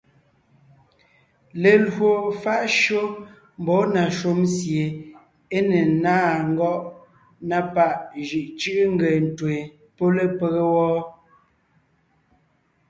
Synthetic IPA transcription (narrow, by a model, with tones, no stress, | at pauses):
le˨lwo˨fa˦ʔʃo˦ | m˨bɔ˨˦na˨ʃo˦msje˨ | e˦ne˨naː˦˨ŋ̩˦ɡɔ˦ʔ | na˦pa˦ʔʒi˨ʔt͡ʃi˦ʔŋ̩˦ɡe˨n˨twe˨ | po˦le˦pe˦ɣe˦wɔː˦